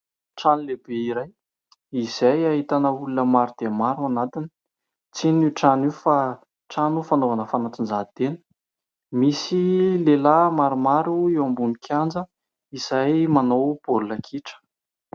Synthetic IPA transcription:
ʈ͡ʂanilebeiɾaj | iz̥ajaɦit̪anəulunəmaɾud̪̥emaɾuanat̪ini̥ | t͡siniʈ͡ʂanifa | ʈ͡ʂanufanovanəfanaʈ͡ʂind͡zat̪enə̥ | misilelamaɾumaɾuewambunikʰjand͡zə | iz̥ajmanowb̥olulakʰiʈ͡ʂə̥

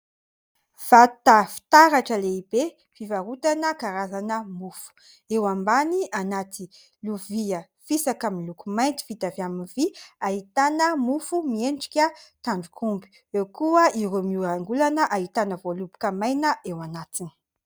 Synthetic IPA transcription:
v̥at̪afi̥t̪aɾaʈ͡ʂəleibe | fivaɾut̪anəkaɾazanəmufu̥ | ewambanianat̪i | luviə | fisakamilukumajnt̪i̥fit̪avaminviaɦit̪anəmufumieɳɖ͡ʐikʲət̪aɳɖ͡ʐukʰumbi̥ | ewkuəiɾumiuɾaŋɡulanəʔait̪anəvolubi̥kəmajnəʔewanat̪ini̥

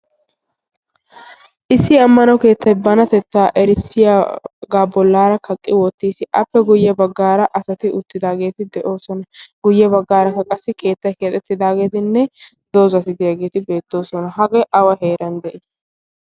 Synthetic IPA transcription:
ʔɪsːɪɐmːɐnɐwke̞ːt̪ːɐjbɐnɐt̪ɛt̪ːaːʔɛɾɪsːɪjaɡaːbɔlːaːɾɐkɐkʼːɪwɔt̪ːiːsɪʔɐ̰pːɛɡʊjːɐbɐɡːaːɾɐʔɐsɐt̪ɪʔʊt̪ːɪd̪aːɡe̞ːt̪ɪd̪ɛʔo̞ːsɔnɐɡ̥ʊjːɛbɐɡːaːɾɐkːɐkʼɐsːɪke̞ːt̪ːɐjkeːt̪ʼɛt̪ːɪd̪aːɡe̞ːt̪ɪnːɛ | d̪̥oːzɐt̪ɪd̪ɪjaɡe̞ːt̪ɪbe̞ːt̪ːo̞ːsɔnɐɦɐɡɛʔɐwɐɦe̞ːɾɐnd̪ɛʔɪ

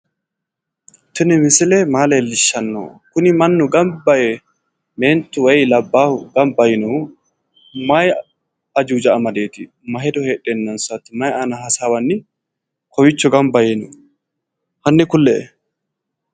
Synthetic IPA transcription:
t̪ɪnɪmɪsɪlɛmaːleːlːɪʃːɐnːo̰ːkʊnɪmɐnːʊɡɐmbɐjɛ | meːnt̪ːʊwɛjlɐbːaːhʊɡɐmbɐjɪnɔhʊ | mɐj | ɐd͡ʒuːd͡ʒɐɐmɐd̪e̞ːt̪ɪ | mɐɦɛd̪ɔheːɗenːɐnsɐt̪ːɪmɐjanɐɦɐsaːwɐnːɪ | kʰɔwɪt͡ʃːɔɡɐmbɐjenɔ | hɐnːɪkʊlːɛʔɛ

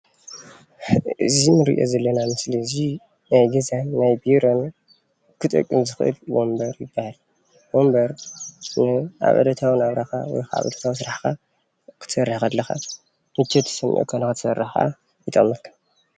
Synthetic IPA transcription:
ɨzinɨɾɨ̰ʔo̰zɐlːɐnamɨslizi | najɡɐzanːajbiɾo̞n | kʰɨt̪ʼɐ̰kʼːɨmzɨxʔɨ̰lwombɐɾjɪbːahal | wo̞mbɐɾnɨʔa̰βʔɐ̰d̪ɐt̪ʰawɨnaβɾaxa̰wɔ̰jkʰaa̰βɐ̰d̪ɐt̪ʰaws̬ɨɾaħka | kʰɨ̥t̪ʰsɐrːaxalːɐxa̰ | mɨt͡ʃːɛt̪ʰɨ̥sɐmʔḭʔkʰonakɨt̪ʰɨ̥sɐrːaħxa̰ | jɨt̪ʼɐ̰mːɐlkʰḁ

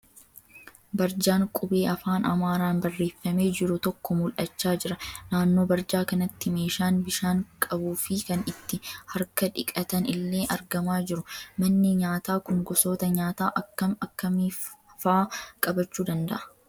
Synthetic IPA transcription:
bɐɾd͡ʒaːŋkʼʊbe̞ːɐfaːnɐmaːɾaːnbɐrːe̞ːfːɐme̞ːd͡ʒɪɾʊt̪ɔkːɔmʊlʔɐt͡ʃːaːd͡ʒɪɾɐnaːnːoːbɐɾd͡ʒaːkɐnɐt̪ːɪme̞ːʃaːnbɪʃaːŋkʼɐbuːfɪkɐnɪt̪ːɪhɐɾkɐᶑɪkʼɐt̪ɐnɪlːe̞ːʔɐɾɡɐmaːd͡ʒɪɾʊmɐnːɪɲaːt̪aːkʊŋɡɔso̞ːt̪ɐɲaːt̪aːʔɐkːɐmɐkːɐmiː | faːkʼɐbɐt͡ʃːuːd̪ɐnd̪ɐ̰ʔɐ̥

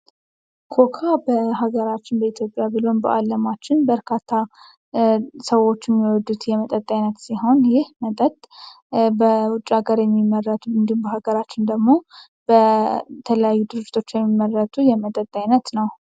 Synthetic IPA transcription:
kʰo̞kʰabəɦaɡəɾat͡ʃːɪnbəit̪jo̞pʼjabɨlo̞nbə̰ʔalːəmat͡ʃːɪnbəɾkʰat̪ʰːa | səwːo̞t͡ʃːɪmːiwɔd̪ːut̪jɛmət̪ʼət̪ʼːajnət̪siɦo̞njɪhmət̪ʼət̪ʼ | bəwʊt͡ʃʼːaɡaɾjɛmːimːərːət̪ʰʼuɨnd̪ihumbəɦaɡəɾat͡ʃːɪnd̪əɡmo̞ | b̥ət̪ʰələjajːud̪ɨɾɨd͡ʒːɪ̥t̪ʰot͡ʃːjɛmːimːərːət̪ʼujɛmət̪ʼət̪ʼːajnət̪nəw

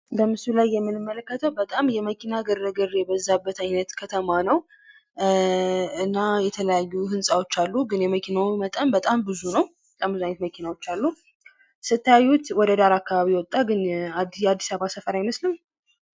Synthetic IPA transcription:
bəmɨsulajːɛmːɨnɨmːələkːət̪ʰəwbət̪ʼamjɛməkʰinaɡərːəɡɨrebəzːabːət̪ʰajnət̪kʰət̪ʰəmanəw | ɨnːajɛt̪ʰələjajːuhɨnsʼawo̞t͡ʃːalːuɡɨnjɛməkʰinawmət̪ʼəmbət̪ʼambɨzunəwbət̪ʼambɨzuajnət̪məkʰinawo̞t͡ʃːalːu | sɨt̪ʰːəjajːut̪wɔd̪əd̪aɾakːaβaβiwɔt̪ʼːaɡɨnad̪ad̪ːisaβasəfəɾajməslɨm

